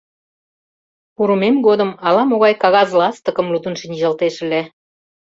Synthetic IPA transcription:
puɾumemɡod̪əmɑlɑmoɣɑjkɑɣɑzlɑst̪ə̆kəmlut̪unʃinʲʒɑlt̪eʃəle

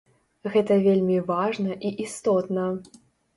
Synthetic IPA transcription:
ɣɛt̪ɐvʲelʲmʲivaʐnɐʔiʔist̪ɔt̪nɐ

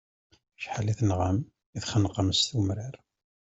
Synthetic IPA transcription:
ʃħaliθnʁəm | iθχənqəmst̪umɾaɾ

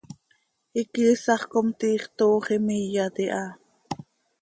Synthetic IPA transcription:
ikiːsɑχkomt̪iːχt̪oːχimijɑt̪iʔɑ

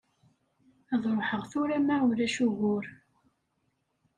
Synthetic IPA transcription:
æðˤɾoħəʁθʊɾæmaʊɾæʃuɣʊɾ

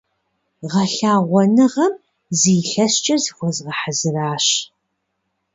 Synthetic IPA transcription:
ʁɐɬaːʁʷɔnɨʁɐm | ziːɬɐɕt͡ʃʼɐzixʷɔzʁɐħazɨraːɕ

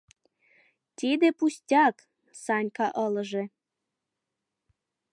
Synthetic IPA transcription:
t̪ʲid̪epusʲtʲɑk | sɑnʲkɑʔɤlə̆ʒe

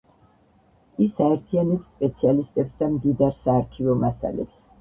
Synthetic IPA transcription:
isaɛɾt̪ʰianɛpsːpʼɛt̪sʰialist̪ʼɛpsd̪amd̪id̪aɾsaːɾkʰivɔmasa̰lɛ̰ps

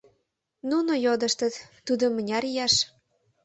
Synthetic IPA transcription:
nunojod̪ə̆ʃt̪ə̆t̪ː | ud̪omːənʲɑɾijɑʃ

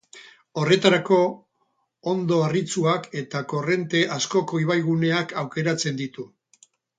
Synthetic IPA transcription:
o̞re̞t̪aɾako̞ː | nd̪o̞arit͡suake̞t̪ako̞re̞nt̪e̞ʔasko̞ko̞iβ̞ajɣ̞une̞akʰawke̞ɾat͡se̞nd̪it̪u

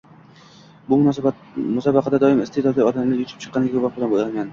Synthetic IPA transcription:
bʊmʊ | mʊsɒbɑqʰɑd̪ad̪ɒɪmɪst̪ed̪ɒd̪lɪɒd̪amlɪɾjʊt͡ʃʰɪ̥p̚t͡ʃʰɨ̥qːɑnɪɡʲakʰopɑq̚bɪlanbojalmʲan

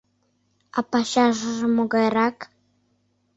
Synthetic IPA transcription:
ɑ̰pɑɕɑʒə̆ʒə̆moɣɑjrɑk

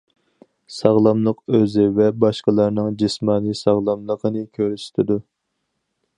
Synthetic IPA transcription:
sɑʁlˠɑmlˠəqøzɪvɛbɑʃqəlˠɑɾnɨŋd͡ʒismɑːnisɑʁlˠɑmlˠəqʰənɨkʲʰøɾysy̥t̪ʰɪd̪u

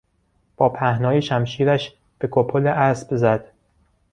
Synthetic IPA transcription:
b̥ɒːpʰæhnɒːjeʃæmʃiːɾæʃ | b̥e̞kʰopʰoleʔæsb̥zæd̪̥

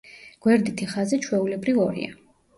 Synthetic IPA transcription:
ɡ̥wɛɾd̪it̪ʰiχazɛt͡ʃʰwɛulɛbɾivɔɾḭa̰

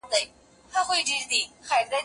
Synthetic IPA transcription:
leɪ | t̪ʰaxweɪʈ͡ʂeʂt̪ixaɪt͡saɪ

